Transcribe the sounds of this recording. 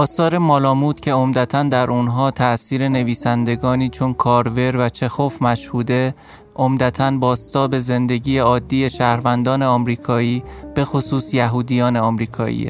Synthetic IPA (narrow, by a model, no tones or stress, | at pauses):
ɒːsɒːɾe̞mɒːlɒːmuːt̪cʰe̞omd̪æt̪ʰænd̪æɾʔunɦɒːt̪ʰæʔsiːɾe̞ne̞viːsænd̪e̞ɡɒːniːt͡ʃʰonkʰɒːɾve̞ɾvæt͡ʃʰe̞xofmæʃhuːd̪e̞ | ʔomd̪æt̪ʰænbɒːst̪ɒːbe̞ze̞nd̪e̞ɟiːjeɒːd̪ːiːjeʃæːhɾvænd̪ɒːne̞ɒːmɾiːkʰɒːiːb̥e̞xosuːsjæɦuːd̪ijɒːne̞ɒːmɾiːkʰɒ̰ːḭːḛ